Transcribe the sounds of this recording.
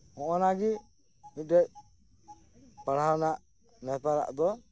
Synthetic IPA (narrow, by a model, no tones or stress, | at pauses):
hɔʔɔnaɡi | idɛʔ̚ | paɾɦalnaʔ | nɛp̪aɾa̰ʔd̪ɔ